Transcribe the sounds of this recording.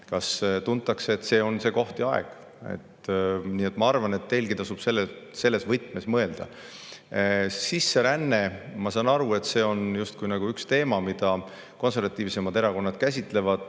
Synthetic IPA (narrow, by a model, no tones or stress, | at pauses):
kɑst̪unt̪ːˑɑkseːt̪se̞ːo̞nse̞ːko̞ht̪iɑḛɡ̥ | e̞̰t̪ːniːet̪ːˑmɑɑrvɑne̞t̪ːe̞lɡit̪ɑsub̥se̞lːese̞lːe̞svɤjt̪ːˑme̞smɤe̞ld̪̥ɑ̰ | sisːe̞ɾænːe̞mɑsɑːnɑɾue̞t̪ːse̞ːo̞njust̪̚kujnɑɡ̥uykst̪e̞ːmɑmid̪̥ɑ | ko̞ns̬e̞rvɑt̪ːˑiːvse̞mɑd̪̥e̞ɾɑko̞nːɑd̪̥kæsʲit̪ːˑle̞vɑd̪̥